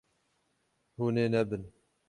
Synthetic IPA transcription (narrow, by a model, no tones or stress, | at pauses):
huːneːnɛbɨn